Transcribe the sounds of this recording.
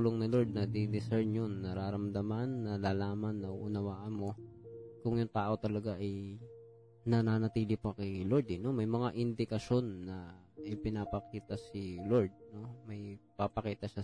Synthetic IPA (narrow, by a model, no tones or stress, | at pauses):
uloŋnɪloɹd̪̚nɐd̪ɪd̪ɪsɛɹnjonːɐɾaːɾɐmd̪ɐmanːɐlaːlaːmɐnːɐʔʊnɐwaːʔɐnmo̞kʊŋjʊŋt̪aːʔo̞t̪ɐlɐɡaʔɐj | nɐnaːnɐt̪iːlɪpɐkɛloɹd̪ɛno̞mɐjmɐŋaʔɪnd̪ɪkɐʃo̞nːɐ | ʔɪpɪnapɐkiːt̪ɐsɪloɹd̪̚no̞mɐjpapɐkiːt̪ɐʃa